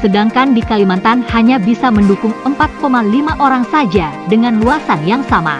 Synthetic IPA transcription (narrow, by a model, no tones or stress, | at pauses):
sədaŋkandikalimant̪anhaɲabisaməndukʊŋəmpat̪̚komalimaʔoɾaŋsad͡ʒadəŋanluasanjaŋsama̰